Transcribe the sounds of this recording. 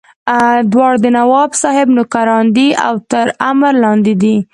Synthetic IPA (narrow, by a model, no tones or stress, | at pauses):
d̪wɑɽd̪ənawɑbsɑhɪbnʊkaɾɑnd̪ia̰wt̪əɾamɾlɑnd̪ɪd̪i